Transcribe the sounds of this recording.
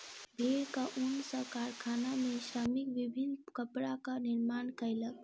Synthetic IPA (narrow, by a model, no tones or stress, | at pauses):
bʱeɾkəʔunsəkaɾkʰanamesɾəmikʋibʱinːkəpɾakəniɾmankəɪlək